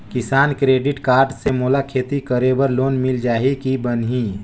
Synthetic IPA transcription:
kɪsaːnkɾeːɖɪʈkaːɾɖsemoːlakʰeːt̪ikəɾebəɾloːnmɪld͡ʒaːɦekibənɦi

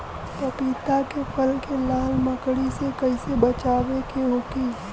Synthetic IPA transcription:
pɐpiːt̪akepɐlkelaːlmɐkɽisekɐisebɐt͡ʃaːʋekeɦoːkiː

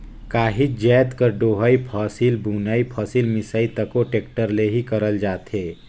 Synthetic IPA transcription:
kaːɦid͡ʒɛːt̪kəɾɖoːɦaipʰɔːsilbuːnaːipʰɔːsilmɪsaːit̪ɐkoʈeːkʈəɾleɦikɐɾəld͡ʒaːt̪eː

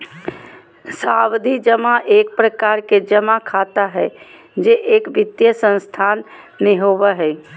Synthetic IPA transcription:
sawd̪ʱid͡ʒəmaʔeːk̚pɾəkaːɾked͡ʒəmakʰat̪aɦɛ | d͡ʒeʔeːkbɪt̪jəsə̃nst̪ʰaːn | mẽɦobəɦɛ

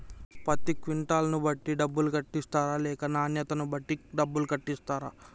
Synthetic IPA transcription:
pɐt̪ːikʋiɳʈaːlɐnubɐʈːiɖɐbːulukɐʈːist̪aːɾaːlɛːkɐnaːnjɐt̪ɐnubɐʈːiɖɐbːulukɐʈːist̪aːɾaː

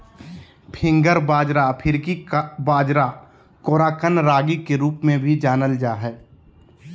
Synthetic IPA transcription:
pʰɪ̃ŋɡəɾbaːd͡ʒɾapʰɪɾkibaːd͡ʒɾa | koːɾaːkənɾaːɡikeɾuːpmẽbʱid͡ʒaːnəld͡ʒaːɦɛː

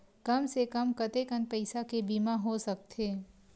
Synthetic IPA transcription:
kɐmsekɐmkɐt̪ekə̃npɐɪsakebiːmaɦosɐk̚t̪ʰeː

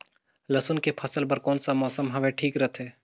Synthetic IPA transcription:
lɐsʊnkepʰɐsəlpɐɾkɔːnsamɔːsəmɦɐʋẽʈʰiːkɾɐt̪ʰeː

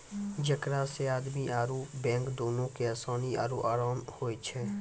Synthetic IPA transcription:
d͡ʒəkɾaseaːd̪miʔaːɾubɛ̃ːkd̪oːnõkeaːsaːnia̰ːɾuʔaːɾaːmhoːet͡ʃʰɛː

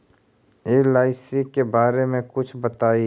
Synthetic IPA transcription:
eːlaːɪsikebaːɾemẽkʊt͡ʃʰbɐt̪aːi

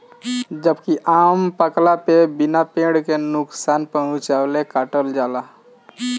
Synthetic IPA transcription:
d͡ʒəbkiʔampəklapebinapẽɽkenʊksanpəɦʊ̃t͡ʃalekaʈəld͡ʒala

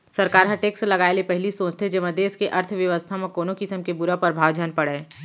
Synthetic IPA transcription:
sɐɾkaːɾɦɐʈeːkslɐɡaːelepɛɦlisõːt͡ʃt̪ʰed͡ʒɐməd̪eːskeʔɐɾt̪ʰʋjɐʋəst̪ʰamẽkoːnokɪsəmkebʊɾapəɾbʱaːʋd͡ʒʱanpɐɽeː

